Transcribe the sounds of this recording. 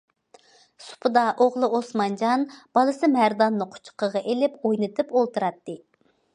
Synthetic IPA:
su̥pʰɨd̪ɑʔoʁlˠɨosmɑnd͡ʒɑnb̥ɑlˠɨsɨmæɾd̪ɑnːɨqʰʊ̥t͡ʃʰqəʁɑʔelɪpojnɨt̪ʰɨpolˠt̪ɨɾɑt̪ːɨ

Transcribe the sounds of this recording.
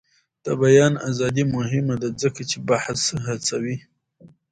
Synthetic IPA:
d̪̥əbajɑna̰zɑd̪imʊɦɪmad̪azəkat͡ʃebaħsɦat͡sawi

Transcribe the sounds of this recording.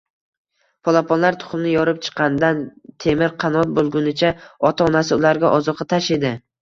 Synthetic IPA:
pʰɒlˠapɒnlaɾt̪ʰʊ̥χmnɪjɒɾɪp̚t͡ʃʰɨ̥qʰːɑnd̪ant̪ʰe̞mɪɾqʰɑnɒt̪̚bolˠɡʲʊnɪt͡ʃʰaɒt̪ʰaɒnasɪʊlaɾɡʲaʔɒzɒqʰːɑt̪ʰaʃe̞d̪ɪ

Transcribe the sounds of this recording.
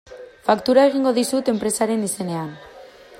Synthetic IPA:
fakt̪uɾae̞ɣ̞iŋɡo̞ðisut̪e̞mpɾe̞saɾe̞nise̞ne̞an

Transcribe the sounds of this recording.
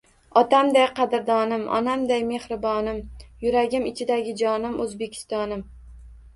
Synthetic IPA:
ɒt̪amd̪ajqʰɑd̪ɪɾd̪ɒnɪmɒ̰namd̪ajme̞hɾɪbɒnɪmjʊɾaɡʲɪmɪt͡ʃʰɪd̪aɡʲɪd͡ʒɒnɪmɵzbe̞kʲʰɪ̥st̪ɒnɪm

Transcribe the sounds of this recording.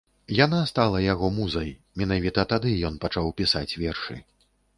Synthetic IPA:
janast̪alˠɐjaɣɔmuzɐj | mʲinavʲit̪ɐt̪ad̪ɨjɔnpat͡ʂawpʲisat͡sʲvʲɛrʂɨ̰

